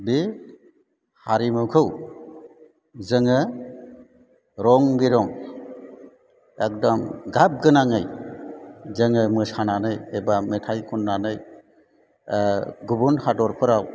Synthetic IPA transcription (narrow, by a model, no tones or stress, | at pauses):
bi | haɾimɯwkʰɯw | zɯŋɯ | ɾɔŋbiɾɔŋ | ek̚dɔmɡap̚ɡɯnaŋɯj | zɯŋɯmɯsananɯjebametʰajkʰunːanɯj | ɡubunhadɔɾpʰɯɾaw